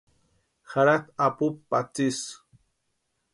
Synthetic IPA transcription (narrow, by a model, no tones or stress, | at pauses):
xaɾakapupːat͡sis